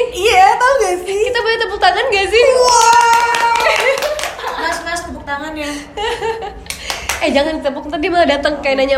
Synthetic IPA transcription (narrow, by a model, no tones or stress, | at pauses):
ijat̪auɡasɪkit̪apoɲat̪əbʊk̚t̪aŋanɡasɪhwa | alasək̪ast̪əbʊk̚t̪aŋanja | ɛhd͡ʒaŋankit̪əbʊk̪t̪adimaladat̪əŋkainaɲa